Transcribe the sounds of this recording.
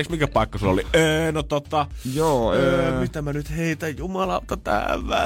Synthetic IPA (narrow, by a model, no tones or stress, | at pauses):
ksmikæpɑˑikːɑsulːo̰liʔeːnot̪ot̪ːɑjoːømit̪ːæmːænyt̪heit̪æjjumɑlɑlt̪ːɑt̪æ̰ːʋʋæ̰